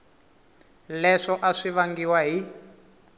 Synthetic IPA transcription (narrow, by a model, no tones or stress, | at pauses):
lɛʂɔʔaʂiβaŋɡiwaɦi